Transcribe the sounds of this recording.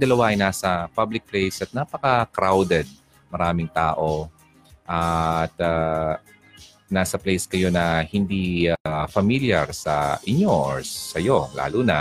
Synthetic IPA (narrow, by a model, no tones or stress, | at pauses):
d̪ɐlɐwaʔɐjnaːsɐpablɪk̚plɛjsʔɐt̪̚napɐkɐkɾawd̪ɛd̪̚ | mɐɾaːmɪŋt̪aːʔo̞ | ʔɐt̪a | naːsɐplɛjskɐjo̞nɐhɪnd̪iafɐmiljaɾsɐ̰ʔɪɲoʔɹsɐjo̞la̰ːluːnɐ